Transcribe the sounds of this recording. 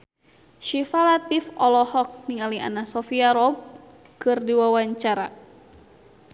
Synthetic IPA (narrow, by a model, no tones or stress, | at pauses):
ʃifalat̪ifɔlɔhɔk̚niŋalia̰nasɔfiaɾɔb̚ | kɨrdiwawaɲt͡ʃaɾa